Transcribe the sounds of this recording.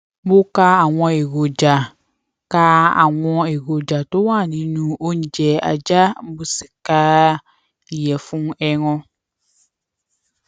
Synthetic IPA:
bo˦ka˦a˨wɔ̃˦e˨ɡo˨d͡ʒa˨ | ka˦a̰˨ŋɔ̃˦e˨ɡo˨d͡ʒa˨to˦wã˦˨nĩ˨˦nũ˨o˦ɲ̩˨d͡ʒɛ˨a̰˨d͡ʒa˦bu˦si˨kaː˦ | i˨jɛ˨fũ˦ŋɛ˦ŋɔ̃˦

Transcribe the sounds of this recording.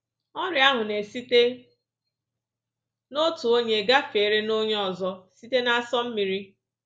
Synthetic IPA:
ɔ˦ɾɪ˨˦a˦ɦʊ˨ne˨si˦te˦ | no˦tʊ˨o˦ɲe˨ɡa˦fe˨ɾe˦no˦ɲe˦ɔ˨zɔ˦si˦te˦na˦˨sɔ˦m̩˦mi˨ɾi˦

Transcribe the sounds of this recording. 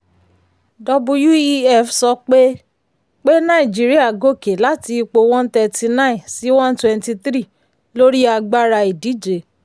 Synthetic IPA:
dɔ˧bũ˧ju˦i˦ɛ˦˨fsɔ˧k͡pe˦ | k͡pe˦nã˦ĩ˨d͡ʒi˦ɾi˦a˦˨ɡo˦˨ke˨˦la˨˦ti˧k͡po˧w̃ɔ̃˦n˦tɛ˧ti˧nã˦ĩ˨si˨˦wɔ̃˦n˦twɛ̃˧nti˧t̪ɾi˦˨ | lo˦ɾi˦a˧ɡ͡ba˦ɾa˧i˨di˨˦d͡ʒe˨

